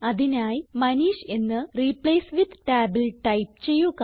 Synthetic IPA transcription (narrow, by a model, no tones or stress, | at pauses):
ɐðinaːjmɐniːɕe̞nːɨripleːsʋid̪ʈaːbilʈɐjp̚t͡ɕe̞jːuɣ